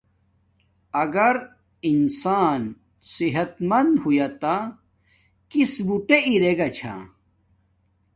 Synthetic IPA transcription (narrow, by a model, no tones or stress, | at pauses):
ɐɡɐɾ | insaːn | siɦɐt̪mɐnd̪hujat̪a | kisbuʈeʔiɾeɡat͡ɕʰa̰